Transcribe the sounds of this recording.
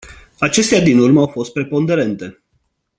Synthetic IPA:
at͡ʃe̞st̪ead̪inurməawfo̞st̪̚pɾe̞po̞nd̪e̞ɾe̞nt̪e̞

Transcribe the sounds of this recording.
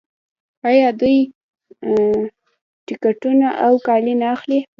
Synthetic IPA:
ajɑd̪uj | ʈɪkaʈunaʔawkɑlinaːxli

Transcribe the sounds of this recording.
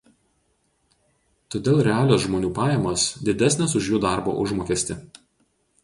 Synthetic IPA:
t̪oːd̪ʲeːlˠɾʲɛɑːlʲoːs̬ʒmoːnʲuːpɑːjɛmɐsd̪ʲɪd̪ʲæsʲnʲɛs̬ʊʃjuːd̪ɑˑɾbo̰ːʔʊʒmoːkʲɛsʲt̪ʲɪ

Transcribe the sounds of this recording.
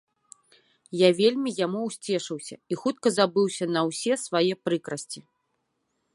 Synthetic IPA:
javʲelʲmʲijamuwsʲt͡sʲɛʂɨwsʲɐ̰ixut̪̚kɐzabɨwsʲɐnɐwsʲɛsvajɛpɾɨkɾɐsʲt͡sʲi

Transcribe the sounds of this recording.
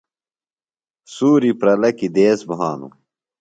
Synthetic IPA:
suːɾipɾɐlɐkid̪eːsbɐɦaːnṵ

